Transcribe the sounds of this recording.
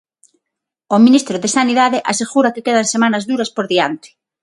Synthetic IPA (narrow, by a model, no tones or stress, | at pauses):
omĩnist̪ɾoðesaniðaðeʔaseɣuɾakekeðansemanɐzðuɾɐspoɾðiant̪ɪ̥